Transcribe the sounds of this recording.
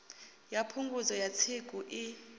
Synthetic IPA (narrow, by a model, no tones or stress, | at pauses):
japʰuŋɡuzɔjat͡sʰeɡ̥ʼʱuʔi